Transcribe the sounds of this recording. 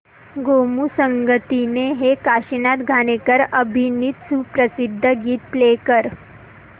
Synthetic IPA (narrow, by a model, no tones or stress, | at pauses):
ɡomusəŋɡət̪ineɦekaɕinat̪ɡʱaɽ̃ekəɾəbʱiniːt̪supɾəsid̪ʱːəɡiːt̪̚plekəɾ